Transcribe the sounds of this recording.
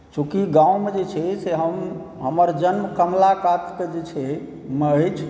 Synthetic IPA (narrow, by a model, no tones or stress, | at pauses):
t͡ʃʰũkiɡãwmed͡ʒet͡ʃʰɛseɦəm | ɦəməɾd͡ʒənmkəmlakat̪ked͡ʒet͡ʃʰɛ | meəjt͡ʃʰ